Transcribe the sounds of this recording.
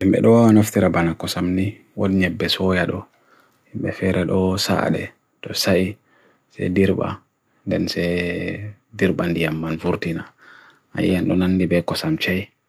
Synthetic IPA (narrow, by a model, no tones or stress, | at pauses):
himɓɛ̰ɗɔanaftiɾabanakɔsamni | waɗiɲɛbːɛsɔjaɗɔ | himɓɛfɛɾɛɗɔsa̰ɗɛ̰ | tɔsaʔi | sɛ̰diɾɓa̰ | ndɛnsɛ | diɾɓandijamːanfuɾtina | a̰jːanɗɔnanːdibɛkɔsamt͡ʃaj